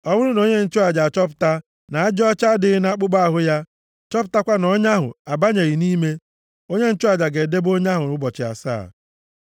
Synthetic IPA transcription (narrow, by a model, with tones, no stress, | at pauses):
ɔ˦bʊ˦ɾʊ˦no˦ɲe˦n̩˦t͡ʃʊ˦a˨d͡ʒa˨t͡ʃɔ˦p̬ʊ̥˨ta˦ | na˨a˦d͡ʒɔ˦t͡ʃa˦dɪ˨ɣɪ˦na˦k͡pʊ˦ɡ͡ba˦a˨ɦʊ˦ja˦ | t͡ʃɔ˦pʊ˨ta˦kʷa˦nɔ˦ɲa˦ɦʊ̰˨a˨ba˦ɲe˨ɣi˨niː˦me˦ | o˦ɲe˦n̩˦t͡ʃʊ˦a˨d͡ʒa˨ɡe˨de˦bo˦ɲa˦ɦʊ˨ɾʊ˦bɔ˨t͡ʃɪ˨a̰˨sa̰ː˦˨